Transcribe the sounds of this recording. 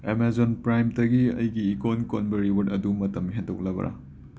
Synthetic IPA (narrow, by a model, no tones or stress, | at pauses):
emezonpɾajmdɐɡiɐ̰jɡiːkonkonbɐɾiwɐtɐdumɐtɐmɦendowk̚lɐbɐ̰ɾʔɐ̰